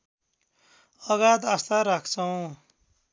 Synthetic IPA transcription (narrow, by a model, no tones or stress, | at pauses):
ʌɡat̪ast̪aɾakʰt͡sʰʌw̃